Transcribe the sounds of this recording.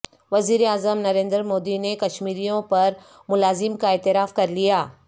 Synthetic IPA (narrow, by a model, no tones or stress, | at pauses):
ʋɐziːɾeaːzəmnɐɾẽːnd̪əɾmoːd̪inekɐʃmiːɾijõpɐɾ | mʊlaːzɪmkaɛːt̪ɪɾaːfkɐɾlijaː